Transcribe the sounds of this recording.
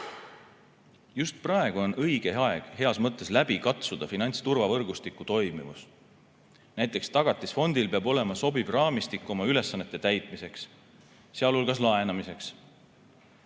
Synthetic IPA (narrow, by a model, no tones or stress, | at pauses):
just̪̚prɑe̞ɡ̥uo̞nɤjɡ̥e̞ɑe̞ɡ̥he̞ɑsmɤt̪ːˑe̞slæbikɑt̪sud̪̥ɑfinɑnʲt̪st̪urvɑvɤrɡ̥ust̪ikːˑut̪o̞jmḭvṵs | næjt̪ːˑe̞kst̪ɑɡ̥ɑt̪ːˑisfo̞nd̪̥ilpe̞ɑbo̞lemɑso̞bivrɑːmist̪ikːˑo̞mɑyle̞sːɑnːe̞t̪ːˑet̪æjt̪ˑmise̞ksː | eɑlolɡ̥ɑslɑenɑmise̞ks